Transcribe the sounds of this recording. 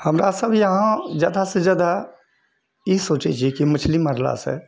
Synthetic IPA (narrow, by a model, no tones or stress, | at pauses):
həmɾasəbʱjəɦãd͡ʒjaːd̪ased͡ʒjaːd̪a | jisoːt͡ʃɛt͡ʃʰiekimət͡ʃʰliməɾla̰sḛ